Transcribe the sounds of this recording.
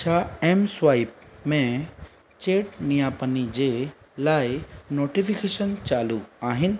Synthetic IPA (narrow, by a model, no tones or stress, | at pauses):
t͡ɕʰaeːmsʋaːɪp̚mẽ | t͡ɕeːʈnijaːpənid͡ʑeː | laːɪnoːʈifikeːʃənt͡ɕaːluaːɦɪnɪ̆